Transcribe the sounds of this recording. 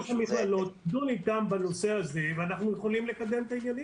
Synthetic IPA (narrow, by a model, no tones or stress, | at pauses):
χamiχalot̪d̪unit̪ambano̞seazeveanaχnujeχo̞limlekad̪emt̪ajali